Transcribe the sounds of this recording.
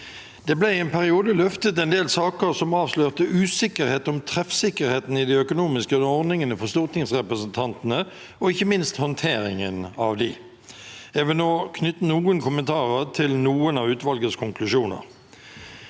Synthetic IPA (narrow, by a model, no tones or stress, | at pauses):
d̪̥ɛblæɪɛnpʰæʁɪuːd̪əlœft̪ət̪ɛnd̪eːlsɑːkəʁsɔmɑːʋsløːʁt̪əʔʉːsɪkəɾheːt̪ɔmt̪ʰʁɛfsɪkəʁheːt̪n̩ɪd̪ɪœkʊnuːmɪskəɔʁnɪŋənəfɔst̪uːʁt̪ɪŋsʁɛpʁəsənt̪ʰɑnt̪ənə | ɔɪçːəmɪnst̪hɔnt̪ʰeːɾɪŋənɑ̰ʋd̪ɪ̰ | ɛːʋəloːkʰnʏt̪ːənuːənkʰʊmənt̪ʰɑːʁəʁt̪ʰɪlnuːənɑʋʉːt̪ʋɑlɡəskʰʊŋklʉʂuːnə̰ʁ